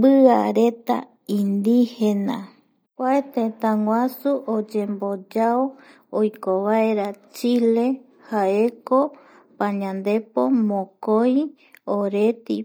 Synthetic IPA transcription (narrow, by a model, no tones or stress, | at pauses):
bɨa̰ɾe̞t̪a̰ | ĩnd̪ihenã | kʷaet̪ẽt̪ãŋwʷasuʔod͡ʒembod͡ʒao | ojkoβaeɾat͡ʃile̞ | haeko | pãɲãnd̪e̞po̞mõkoj | oɾe̞t̪i